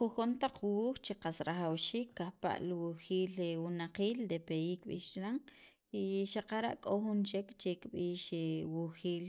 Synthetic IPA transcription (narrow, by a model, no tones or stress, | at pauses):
xuxont̪aq͡χwuːxt͡ʃeqasɾaχawʃiːkːahpa̰ʔlwuxiːlwunaqiːld̪epejiːkːɓiːʃt͡ʃɾaŋ | iʃaqaɾa̰ʔkʼoxunt͡ʃekt͡ʃekɓiːʃwuxiːl